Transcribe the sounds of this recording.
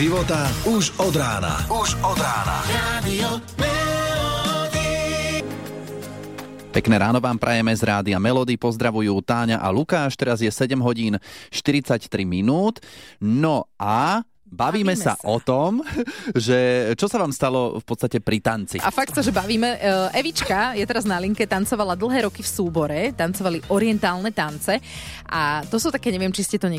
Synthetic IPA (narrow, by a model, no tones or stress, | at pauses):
ʒiʋɔt̪auʒɔd̪ɾaːna̰uʒɔd̪ɾaːna̰ad̪iɔmɛlɔd̪i | pɛknɛːɾaːnɔʋaːmpɾʔajɛmɛzɾaːd̪iamɛlɔd̪ipɔzd̪ɾaʋujuːt̪aːɲaʔa̰lukaːʃt̪ɛɾazjɛsɛɟɛmɦɔɟiːnʃt̪iɾit͡sact̪ɾiminuːt̪nɔʔa | baʋiːmɛsa̰ʔɔt̪ɔmʒɛt͡ʃɔsaʋaːmst̪alɔfpɔt̪t͡sst̪acɛpɾit̪ant͡sḭʔafak̚t̪saʒɛbaʋiːmɛʔɛʋit͡ʃkajɛt̪ɛɾaznaliŋkɛt̪ant͡sɔʋalad̪l̩ˠɦɛːɾɔkifsuːbɔɾɛt̪ant͡sɔʋaliʔɔɾɪɛnt̪aːlˠnɛt̪ant͡sɛʔat̪ɔsuːt̪akɛːɲɛʋɪɛmt͡ʃiscɛt̪ɔɲɛ